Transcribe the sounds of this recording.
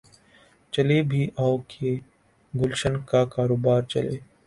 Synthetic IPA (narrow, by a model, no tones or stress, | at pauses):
t͡ʃəleːbʱiːʔaːokʰe | ɡʊlʃənkakaːɾoːbaːɾt͡ʃə̰lḛː